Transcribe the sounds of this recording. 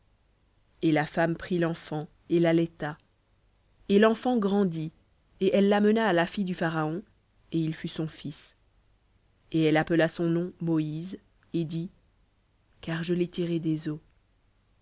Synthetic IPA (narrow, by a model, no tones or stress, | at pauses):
elafampχilɑ̃fɑ̃ | elalɛt̪a | elɑ̃fɑ̃ɡʁɑ̃d̪i | eʔɛlːamənaːlafijd̪yfaʁaɔ̃ | eilfysɔ̃fis | eɛlapəlasɔ̃nɔ̃mɔiz | ed̪i | kaʁʒəlet̪ʰiʁed̪ezo